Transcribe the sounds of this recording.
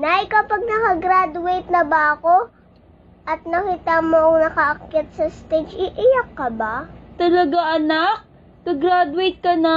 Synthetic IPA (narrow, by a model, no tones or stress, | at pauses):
naʔɪkɐpɐɡ̚nɐkɐɡɾad̪ʊejt̪̚nɐbaɐko̞ | ʔɐt̪̚nɐkiːt̪ɐmoʔɐŋnɐkɐʔɐkːɪt̪̚sɐst̪ed͡ʒɪʔɪjakːɐbat̪ɐlɐɡaʔɐnak̚ | kɐɡɾad̪ʊejt̪̚kɐnɐ